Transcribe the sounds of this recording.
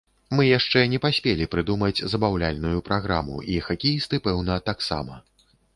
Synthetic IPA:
mɨjaʂt͡ʂɛnʲɛpasʲpʲelʲipɾɨd̪umɐd͡zʲzɐbawlʲalʲnujupɾʔaɣɾa̰mṵixakʲejist̪ɨpɛwnɐt̪aksa̰mɐ

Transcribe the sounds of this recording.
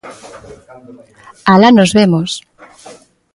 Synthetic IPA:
alanozβemos

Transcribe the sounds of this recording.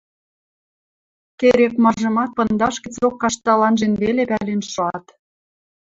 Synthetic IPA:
keɾekmɑʒɤ̆mɑt̪̚pɤ̆nd̪ɑʃkə̆t͡sokːɑʃt̪ɑlɑnʒenβelepælenʃŏɑt̪

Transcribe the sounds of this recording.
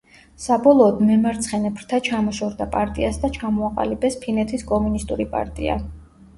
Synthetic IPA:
sabɔlˠɔːd̪mɛmaɾt̪sʰχɛnɛpʰɾt̪ʰat͡ʃʰamɔʃɔɾd̪apʼaɾt̪ʼḭasd̪at͡ʃʰamɔaqʼa̰libɛspʰinɛt̪ʰiskʼɔmunist̪ʼuɾipʼa̰ɾt̪ʼḭa̰

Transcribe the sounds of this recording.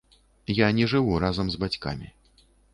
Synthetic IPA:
janʲɛʐɨvuɾazɐmzbat͡sʲka̰mʲḭ

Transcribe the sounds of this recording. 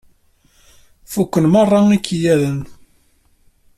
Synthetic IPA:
fukʷːənmɑrˤːɑikʰːijæðən

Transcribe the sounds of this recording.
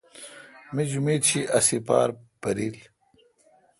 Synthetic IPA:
mid͡ʑumiːd̪t͡ɕʰiʔɐsipa̰ːɾpɐɾiːl

